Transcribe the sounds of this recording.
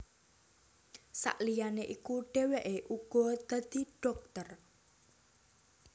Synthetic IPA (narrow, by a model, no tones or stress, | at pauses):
sa̰ʔlijaneʔikuɖ̥e̤weʔeʔuɡ̥ɔ̤d̪̥a̤d̪̥i̤ɖ̥ɔk̚t̪ər